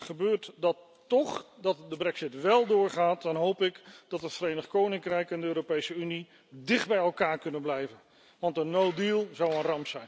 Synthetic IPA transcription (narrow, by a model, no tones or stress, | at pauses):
χəbøːɹtdɑtː | ɔχdɑtdəbrɛksɪtʋɛlˠdʊːɹχaːt̚dɑnɦowpɪkd̥ɑtətfəɾejnəχkownɪŋkrɛjkɪndəøːropejsəyni | dɪχd̚bɛjɛlˠkaːɹkɵnənblɛjvən | ʋɑntənowdilˠzɑwənrɑmpsɛjn